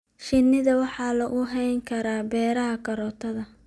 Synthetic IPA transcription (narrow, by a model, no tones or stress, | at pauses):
ʃɪnːɪðɐwɑħɑːlɐʔʊɦɛjŋkʰɐɾaːbɛːɾɐɦɐkʰɐɾɔːt̪ʰɐðɐ